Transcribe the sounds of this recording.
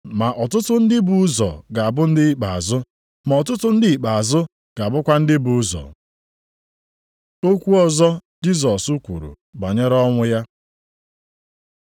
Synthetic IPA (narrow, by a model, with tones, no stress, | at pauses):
ma˨ʔɔ˨tʊ˦tʊ˦n̩˦dɪ˦bu˨˦zɔ̰˨ɡa˨a˨bʊ˦n̩˦dɪ˦i˦k͡pa̰˨a̰˨zʊ˦ | ma˨ɔ˨tʊ˦tʊ˦n̩˦dɪ˦i˨k͡pa˨a˨zʊ˦ | ɡ̥a˨a˨bʊ˦kʷa˦n̩˦dɪ˦bu˨˦zɔ̰˨ | o˦kʷu˦ɔ˦zɔ˦d͡ʒi˦zɔ˨su˦kʷṵ˨ɾṵ˨ | ba˨ɲe˦ɾɔ˦ŋʷʊ˦ja˦